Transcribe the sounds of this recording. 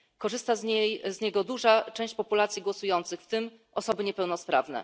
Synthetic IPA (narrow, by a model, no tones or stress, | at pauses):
kɔʐɘst̪azɲejzɲɛɡɔd̪uʐat͡ʂɛ̃w̃ɕt͡ɕpɔpulat̪sʲjiɡwɔsujɔnt̪sɘxft̪ɘm | ʔɔsɔbɘɲɛpɛwnɔspɾa̰vnɛ̰